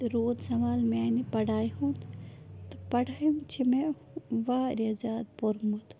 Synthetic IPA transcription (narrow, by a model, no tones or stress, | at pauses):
ɾoːd̪sɐmaːlmenipɐɽʱaːjɦũnt̪t̪ɐpɐɽaːjmt͡ʃʰime | ʋaːɾiɐzaːd̪̚poɾmut̪